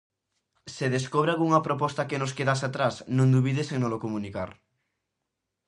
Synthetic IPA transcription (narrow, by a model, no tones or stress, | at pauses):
seðeskoβɾealɣuŋapɾopɔst̪akenoskeðasat̪ɾasnõŋd̪uβ̞iðeseŋnolokomũnika̰ɾ